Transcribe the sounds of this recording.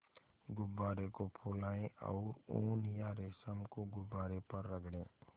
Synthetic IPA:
ɡʊbːaːɾekopʰolaːẽʔɔ̰ʊɾoːnjaːɾesəmkoɡʊbaːɾepəɾːəɡɽẽː

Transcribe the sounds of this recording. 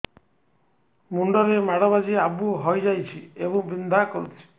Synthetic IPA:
muɳɖɔɾemaɽɔβad͡ʒiabuɦɔjd͡ʒajt͡ʃʰiebɔŋbind̪ʱakɔɾut̪ʰit͡ʃʰi̥

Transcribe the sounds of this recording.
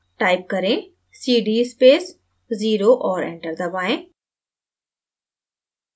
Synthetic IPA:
ʈaːɪp̚kɐɾẽ | siːɖiːspeːs | ziːɾoʔɔːɾḛ̃ɳʈəɾd̪ɐbaːẽː

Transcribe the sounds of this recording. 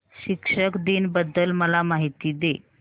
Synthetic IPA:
ɕikʂəkd̪iːnbəd̪ːəlməlamaɦit̪iːd̪e

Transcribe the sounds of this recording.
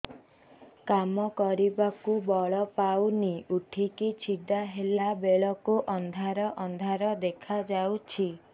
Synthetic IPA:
kamɔkɔɾibakubɔɭɔpawniuʈʰikit͡ʃʰiɖaɦelabeɭɔkuʔɔnd̪ʱaɾɔʔɔnd̪ʱaɾɔd̪ekʰad͡ʒawt͡ʃʰi

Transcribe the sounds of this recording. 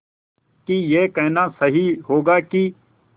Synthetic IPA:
kijeːkɛɦnaːsəɦiɦoːɡaːki

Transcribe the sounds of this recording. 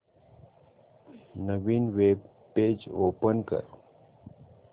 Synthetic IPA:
nəʋiːnʋeːb | pːeːd͡ʒoːpənkə̰ɾ

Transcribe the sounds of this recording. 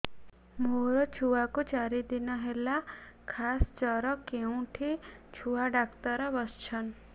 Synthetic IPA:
moɾɔt͡ʃʰuakut͡ʃaɾid̪inɔɦelakʰast͡ʃɔɾɔkeũʈʰit͡ʃʰuaɖakt̪ɔɾɔbɔst͡ʃʰɔn

